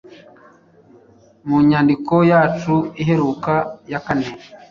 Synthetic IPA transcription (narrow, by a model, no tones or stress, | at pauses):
muɲandikojatuiɦeɾukajakanene